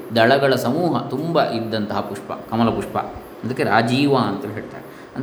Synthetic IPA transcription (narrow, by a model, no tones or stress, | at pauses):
d̪ɐɭɐɡɐɭɐsɐmuːɦɐt̪umbɐʔid̪ːɐnt̪ɐɦɐpuʂpɐ̰kɐmɐlɐpuʂpɐ̰ | ɐnd̪ɐkːeɾaːd͡ʒiːʋaɐnt̪ɐːlːiɦeːɭt̪a̰ːɾe | ɐn